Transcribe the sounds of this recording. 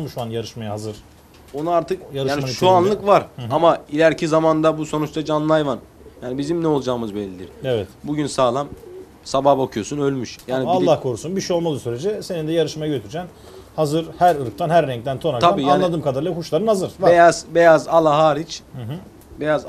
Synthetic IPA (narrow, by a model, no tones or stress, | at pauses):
muʃanjaɾɯʃmajaɦazɯɾ̥ | onuaɾt̪ʰɯkjaːniʃuanlˠɯkvaɾamailʲæɾcʰizamand̪abuso̞nut͡ʃt̪ad͡ʒanlˠajvan | jaːnibizimnɛo̞lˠd͡ʒaːmɯzbɛlʲːid̪iɾ̥ɛvɛbuɟynsaːlˠam | sabahbakʰɯjo̞sunø̞lʲmyʃjaːniailˠːahkʰo̞ɾusunbiʃijo̞lˠmalˠɯsyɾed͡ʒɛse̞nind̪ɛjaɾɯʃmajaɟøt̪ʰyɾd͡ʒæn | hazɯɾhæɾɯɾk̚t̪ʰanɦæɾːɛŋc̚d̪ænt̪ʰonakt̪ʰabaiːjanːnlˠad̪ɯːmkʰad̪aɾlˠaɾkhuʃlˠaɾɯnhazɯɾ̥bejazbejazalˠaɦaːɾit͡ʃ | bejaz